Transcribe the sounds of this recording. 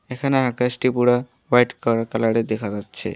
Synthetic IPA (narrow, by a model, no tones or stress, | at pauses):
ekʰaneɦakɐsʈipuɽa | ʋajʈkɔɾkalaɽed̪ekʰad͡ʒatːt͡ʃʰḛ